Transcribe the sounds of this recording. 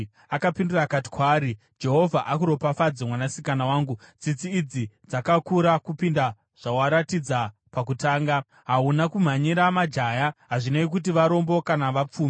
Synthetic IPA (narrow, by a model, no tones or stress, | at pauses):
akapindurakati̥kwaːɾi | d͡ʒe̞ɦo̞vʱaʔakuɾo̞pafad͡zemwanasikanawaːŋɡud͡zit͡siːd͡zid͡zakakuɾakupinda | ʐ̥awaɾatid͡zapak̬utaːŋɡa | ɦaunakum̤aɲiɾamad͡ʒajaɦaʐinaik̬ut̬iʋaɾo̞mbo̞kanaʋap͡fuːm